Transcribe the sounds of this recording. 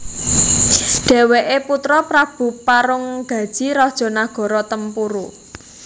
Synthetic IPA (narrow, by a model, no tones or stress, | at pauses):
ɖ̥ɛ̤weʔeput̪ɾɔpɾab̥ṳpaɾʊŋɡ̥ä̤d̥ʒ̥i̤ɾɔd̥ʒ̥ɔ̤naɡ̥ɔ̤ɾɔt̪əmpuɾṵ